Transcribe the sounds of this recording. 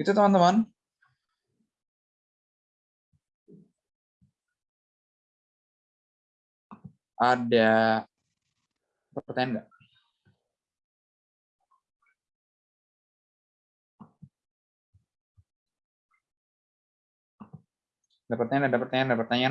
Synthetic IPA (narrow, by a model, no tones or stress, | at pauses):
it̪ut̪əmant̪əman | ʔada | pərt̪aɲanda | adapəɾrt̪aɲandadapərt̪aɲanadapərt̪aɲaa